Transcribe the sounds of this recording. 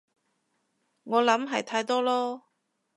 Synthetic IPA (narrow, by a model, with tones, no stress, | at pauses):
ŋɔː˨˧lɐ˨˥mɦɐ˨jt̪ʰaː˧jt̪ɔː˥lɔː˥